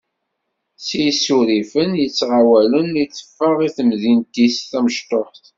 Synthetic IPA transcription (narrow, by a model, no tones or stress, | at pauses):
sijsuɾifənjət͡sːʁawælənit͡sːə̥fːəʁiθəmðint̪isθæməʃt̪oħt